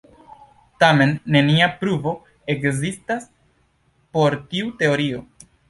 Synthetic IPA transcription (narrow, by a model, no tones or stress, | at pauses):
tame̞nːe̞niapɾuvo̞ | e̞kzistas | po̞ɾtiute̞o̞ɾio̞